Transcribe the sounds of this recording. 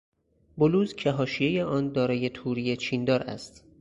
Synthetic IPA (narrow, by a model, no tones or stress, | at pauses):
boluːzcʰeɦɒːʃijejeʔɒːnd̪ɒːɾɒːje̞t̪ʰuːɾije̞t͡ʃʰiːnd̪ɒːɾʔæ̰st̪